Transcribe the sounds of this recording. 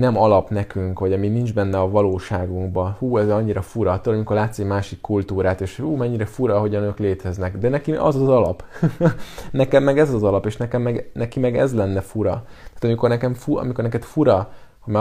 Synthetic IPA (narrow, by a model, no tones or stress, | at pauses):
nɛmɒlɒpnɛkyŋkʋɒɟɒminind͡ʒbɛnːɛɒvɒloːʃaːɡuŋɡbɒhuːɛzɒɲːiɾɒfuɾɒt̪ːolmikorlaːt̪simaːʃikːult̪uːɾaːt̪eːʃuːmɛɲːiɾɛfuɾɒːɦo̞ɟɒnøːkleːt̪ɛznɛɡd̪ɛnɛkiɒ̰zɒzɒlɒp | nɛkɛmːɛɡɛzɒzɒlɒpeːʃnɛkɛmːɛɡnɛkimɛɡɛ̰zlɛnːɛfuɾɒt̪aːt̪ɒmiko̞rnɛkɛmfuɒ̰miko̞rnɛkɛt̪fuɾɒ | homa